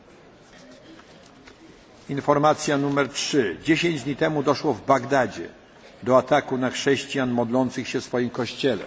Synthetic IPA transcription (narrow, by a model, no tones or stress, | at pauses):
infɔɾmat̪sʲjanumɛɾtʂɘd͡ʑeɕeɲd͡ʑd̪ɲit̪ɛmud̪ɔʂwɔvbaɡd̪ad͡ʑɛ̰ | d̪ɔat̪akunaxʂɛɕt͡ɕjanmɔd̪lɔnt̪sɘxɕɛfsfɔjimkɔɕt͡ɕɛlɛ̰